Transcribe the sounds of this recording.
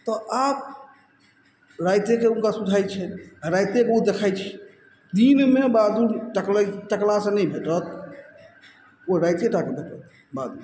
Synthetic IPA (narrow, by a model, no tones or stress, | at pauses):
t̪ɔap̚ | ɾajt̪ekeuŋkasud͡ʒʱajt͡ʃʰɛɾajt̪ebəɦut̪̚d̪ekʰajt͡ʃʰɛ̥ | d̪inmebad̪uʈəkləʈəklasə̃nɛjbʱeʈət̪ | oɾajt̪eʈakebʱeʈət̪̚ʰ | bad̪ʱu